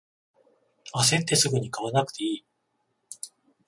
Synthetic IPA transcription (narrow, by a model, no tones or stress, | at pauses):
as̬ẽ̞nt̪e̞sɨɡɯ̟ɲ̟ikaβanakɯ̥t̪e̞iː